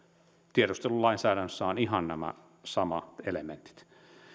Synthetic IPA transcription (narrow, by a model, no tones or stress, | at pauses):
t̪ieɾust̪elullɑˑinsæːdænsːæonihɑnnæmæ̰ | sɑmɑt̪elemḛnt̪i̥t̪